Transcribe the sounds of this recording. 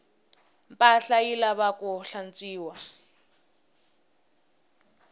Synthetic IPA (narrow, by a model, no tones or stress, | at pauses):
mpʼaɬailaβakʊɬan̩t͡sʼiːwa